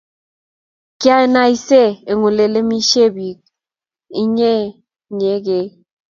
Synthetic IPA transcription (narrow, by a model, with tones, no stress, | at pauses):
kja˦e˦na˦i˦se˦˨e˨ŋu˨le˨le˦mi˦ʃe˦˨bi˨k̚ | i˦ɲe˦˨ | ɲe˨˦ɡe˨